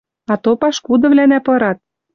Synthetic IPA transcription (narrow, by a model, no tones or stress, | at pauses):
ɑt̪opɑʃkud̪ɤ̆βlænæpɤ̆ɾɑt̪̚